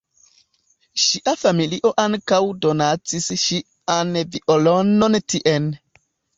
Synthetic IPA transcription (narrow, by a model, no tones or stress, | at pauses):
ʃiʔafamiliʔoʔaŋkawdonat͡sisʃi | anviʔolonontʰiʔen